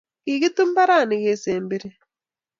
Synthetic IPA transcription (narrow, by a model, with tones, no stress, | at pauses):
kiɣi˦tu˦m˦ba˦ɾa˦˨ni˨ɣe˨seːmbiɾe